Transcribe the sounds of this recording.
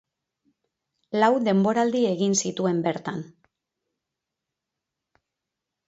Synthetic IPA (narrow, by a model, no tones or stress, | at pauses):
lawd̪e̞mbo̞ɾald̪ie̞ɣinsit̪ue̞mbe̞ɾt̪an